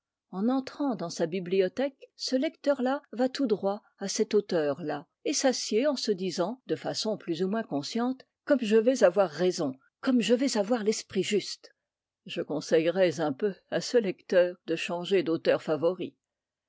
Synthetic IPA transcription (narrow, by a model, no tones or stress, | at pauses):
ɑ̃nɑ̃t̪χɑ̃d̪ɑ̃sabibliɔt̪ɛksəlɛkt̪œʁlavat̪ud̪ʁwa | asɛt̪ot̪œːʁla | esasjeɑ̃səd̪izɑ̃d̪əfasɔ̃plyzumwɛ̃kɔ̃sjɑ̃t̪ | kɔmʒəvɛzavwaʁːɛzɔ̃ | kɔmʒəvɛzavwaʁlɛspχiʒyst̪ | ʒəkɔ̃sɛjʁɛzɛ̃pøasəlɛkt̪œːʁd̪əʃɑ̃ʒed̪ot̪œʁfavɔʁi